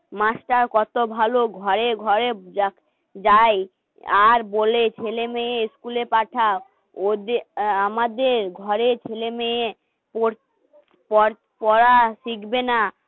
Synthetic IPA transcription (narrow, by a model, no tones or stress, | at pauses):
masʈaɾkɔt̪obʱaloɡʱɔɾeɡʱɔɾea | d͡ʑaj | aɾbolet͡ɕʰelemeeskulepaʈʰa | od̪eamad̪eɾɡʱɔɾet͡ɕʰelemee | po | pɔ | pɔɾasikbena